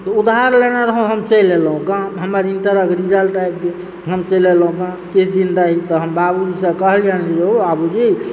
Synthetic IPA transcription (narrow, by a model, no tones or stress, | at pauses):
t̪ɔud̪ɦaɾlenaɾəɦũɦəmt͡ʃəilelɦũkãɦəməɾinʈəɾəkɾid͡ʒəlʈajp̚ke | ɦəmt͡ʃəilelɦũkã | kit͡ʃʰd̪inɾaɦit̪ɔɦəmbabud͡ʒisə̃kəɦljand͡ʒid͡ʒeobabud͡ʒi